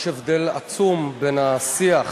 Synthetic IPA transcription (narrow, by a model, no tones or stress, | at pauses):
ʃevd̪ela̰t͡sumbenasiaχ